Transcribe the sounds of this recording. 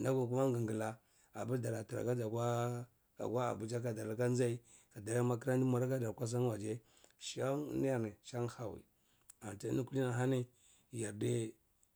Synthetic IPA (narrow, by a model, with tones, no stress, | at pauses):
na˦ɡu˨k̬u˦ma˦ŋɡa˨ŋɡi˨la˦ | a̰˨bu˦ɾda˨ɾa˨ta˨ɾa̰˨ɡa˦d͡ʒa˨ka˦ | a̰˨ɡwa˦a̰˨bu˨t͡ʃa˦k̬a˨da˨ɾa˨ka˦n˦a˦i˦ | ka˨da˨ɾa˦ma˦k̬i˦ɾa˦n˦di˦ma˨ɾa˦ka˦da˨ɾkʷa˦s̬a˦nwa˨d͡ʒe˦ | ʃa˦ni˦ja˨ni˨ʃa˦ŋxa˨wḭ˨ | a˨n˨ta˦ni˦ku˦li˦na˨ɦa˦ni˦ | ja˨ɾde˦